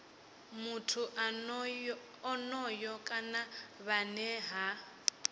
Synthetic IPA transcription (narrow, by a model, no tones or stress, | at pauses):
mutʰu | ɔnɔjɔkʼanaβanɛɦa